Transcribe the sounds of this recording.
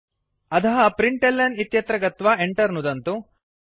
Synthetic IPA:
ɐt̪ʰɐɦɐpɾiɳʈelːɐnit̪jɐt̪ɾɐɡɐt̪ʋɐeɳʈɐɾnud̪ɐnt̪u

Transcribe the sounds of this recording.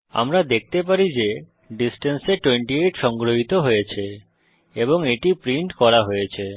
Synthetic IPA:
a̰mɾad̪ek̚ʰt̪epaɾid͡ʑe | ɖisʈenseʈweɳʈieʈʃɔŋɡɾoɦit̪oɦojet͡ɕʰe | eboŋeʈipɾiɳʈkɔɾaɦojet͡ɕʰe

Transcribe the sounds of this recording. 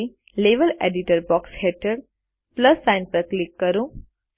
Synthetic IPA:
i | leʋəleɖiʈəɾbɔksheʈəɽ | pləsːãɪnpəɾklikːəɾũː

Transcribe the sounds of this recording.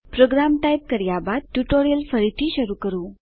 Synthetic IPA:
pɾoɡɾamʈajp̚kəɾjabad̪̚ʈjuʈoɾijəlfəɾit̪ʰiːɕəɾuːkəɾuː

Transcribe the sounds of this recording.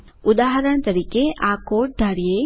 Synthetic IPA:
ʊd̪aːɦɾəɽ̃t̪ɐɾiːkeʔaːkoːʈ̚d̪ʱɐɾijeː

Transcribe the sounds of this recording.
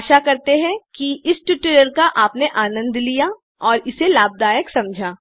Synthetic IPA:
ʃakɐɾt̪eɦɛ̃kiɪsʈuʈɪɾəɾkaʔaːpneʔaːnə̃nd̪ʱlija | ɔːɾɪselaːb̚d̪aːjəksɐ̃md͡ʒʱaː

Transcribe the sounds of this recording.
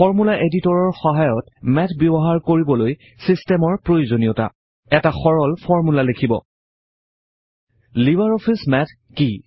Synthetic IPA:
fʰɔɹmulaʔeditɔɹɔɹxɔɦajɔtmɛtʰbjɔbɔɦaɹkoɹibɔloj | sistɛmɔɹpɹojozonijɔta̰ | ɛtaxɔɹɔlfʰɔɹmulalekʰibɔ̰ | livaɹɔpʰismɛtʰ | ki

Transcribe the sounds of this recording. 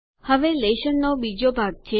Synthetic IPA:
həʋeleʃənːobid͡ʒobʱaɡ̚t͡ʃʰe

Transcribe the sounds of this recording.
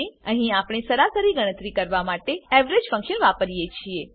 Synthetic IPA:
eəɦĩapɽ̃esəɾasəɾiɡəɽ̃ə̃t̪ɾikəɾʋamaʈeɛʋɾed͡ʒfə̃ŋkʃənʋapəɾijet͡ʃʰie

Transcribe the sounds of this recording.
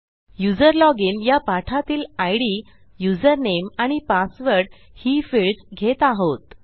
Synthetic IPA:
jud͡zəɾlɔɡiːnjapaʈʰat̪iːlajɽi | jud͡zəɾnemaɽ̃ipasʋəɾɽ | hifiɭsɡʱet̪aɦot̪

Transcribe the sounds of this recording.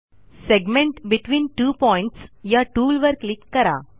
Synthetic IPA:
seɡmẽɳʈbiʈʋiːnʈuːpɔiɳʈsjaʈuːlʋəɾklikːəɾa̰

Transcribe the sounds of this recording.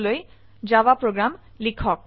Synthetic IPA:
loj | d͡ʒawapɹoɡɹam | likʰɔk̚

